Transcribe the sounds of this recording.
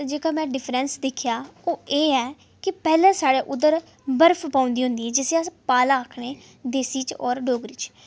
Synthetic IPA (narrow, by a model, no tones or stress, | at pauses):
d͡ʒeːkaːmɛ̃ːɖɪpʰɾɛ̃ːnsd̪ɪkʰjaːoːʔeːɛː | kɪpɛːlɛ̃ːsaːɽeːʔʊd̪əɾ | bəɾpʰpãːʊ̃nd̪iːɦʊ̃nd̪iːɛːd͡ʒɪseapaːlaːəkʰɽeː | d̪eːsiːt͡ʃɔːɾɖoːɡɾiːt͡ʃ